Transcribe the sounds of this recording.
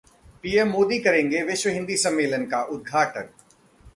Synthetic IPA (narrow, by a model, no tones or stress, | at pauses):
piːemːoːd̪ikɐɾẽːŋɡeʋɪʃʋəɦɪ̃nd̪isɐmːeːlənɪ̆kaʔʊd̪̚ɡʱaːʈən